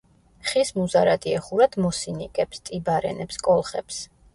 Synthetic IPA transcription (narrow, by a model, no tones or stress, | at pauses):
χismuzaɾad̪iɛχuɾad̪̥mɔsinikʼɛpst̪ʼibaɾɛ̰nɛpskʼɔlˠχɛ̰ps